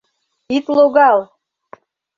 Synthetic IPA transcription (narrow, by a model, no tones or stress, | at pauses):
it̪loɣɑlˠ